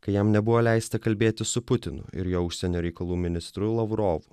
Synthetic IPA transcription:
kɐɪjɛmnʲɛbʊʋoːlʲæɪst̪ɐkɐlʲbʲeːt̪ʲɪsʊpʊt̪ʲɪnʊ̰ɪ̰ɾjoːʊʃʲsʲɛnʲoːɾʲɛɪkɐlˠuːmʲɪnʲɪst̪ɾʊlˠɐʋɾoːʋʊ

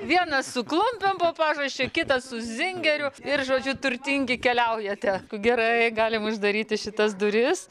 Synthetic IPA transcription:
ʋʲiɛnɐssʊklˠʊmʲpʲɛmpoːpɑːʒɐʃʲt͡ʃʲekʲɪt̪ɐssʊzʲɪŋʲɡʲɛɾʲʊɪrʒoːd͡ʒʲʊt̪ʊɾʲt̪ʲiŋʲɡʲɪkʲɛlʲɛʊjɛt̪ʲɛkʊɡʲɛɾɐɪɡɑːlʲɪmʊʒd̪ɐɾʲiːt̪ʲɪʃʲɪt̪ɐsd̪ʊɾʲɪs

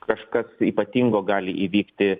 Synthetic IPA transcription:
kɐʃkɐsiːpɐt̪ʲiːŋɡoːɡɑːlʲɪʔiːʋʲiːkt̪ʲɪ

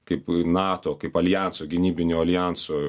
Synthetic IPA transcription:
kɐɪpnɑːt̪oːkɐɪpɐlʲjænsoːɡʲɪnʲiːbʲɪnʲuːɐlʲjæˑnsoː

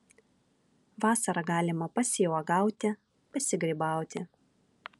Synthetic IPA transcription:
ʋɑːsɐɾɐɡɑːlʲɪmɐpɐsʲɪjɔɡɑˑʊt̪ʲɪ | pɐsʲɪɡɾʲibɑˑʊt̪ʲɪ

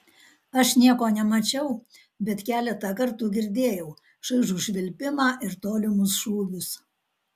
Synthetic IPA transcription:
ɐʃnʲiɛkoːnʲɛmɐt͡ʃʲɛʊ | bʲɛt̪kʲæːlʲɛt̪ɐkɐɾt̪ʊɡʲɪɾʲd̪ʲeːjɛʊ | ʃɐɪʒuːʃʲʋʲɪlʲpʲɪmɑːʔɪɾt̪oːlʲɪmʊsʃuːɡʲʊs

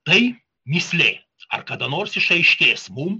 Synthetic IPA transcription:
t̪ɐɪ | mʲɪsʲlʲeː | ɐ̰ɾkɐd̪ɐnoːɾsɪʃɐɪʃʲkʲeːsmum

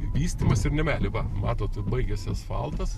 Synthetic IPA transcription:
ʋʲiːsʲt̪ʲiːmɐsɪrnʲɛmʲæːlʲɪʋɐmɑːt̪oːt̪bɐɪɡʲɛsʲɛsfɑ̰lˠt̪ɐs

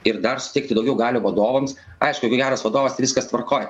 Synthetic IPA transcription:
ɪɾd̪ɐrsʊ̥t̪ʲɛɪkt̪ʲɪd̪ɐʊɡʲɛʊɡɑːlʲoːʋɐd̪oːʋɐms | ɐɪʃkʊjɛkʊɡʲæːɾɐsʋɐd̪oːʋɐst̪ɪʋʲɪskɐst̪ʋɐɾkoːjɛ

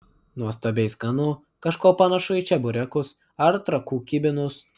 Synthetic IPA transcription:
nuɔst̪ɐbʲɛɪsɡɐnu | kɐʃkoːpɐnɐʃʊit͡ʃʲɛbʊɾʲɛkʊs | ɐɾt̪ɾɐkuːkʲɪbʲɪnʊs

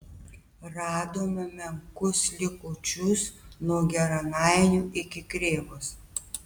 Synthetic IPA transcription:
ɾɑːd̪oːmɐmʲɛŋkʊslʲɪkoːt͡ʃʲʊsnuɔɡʲɛɾɐnɑɪnʲuːʔɪkʲɪkɾʲeːʋoːs

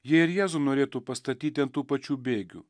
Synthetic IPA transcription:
jiɛɪɾjæːzunoːɾʲeːt̪uːpɐst̪ɐt̪ʲiːt̪ʲɪɐnt̪uːpɐt͡ʃʲuːbʲeːɡʲṵː

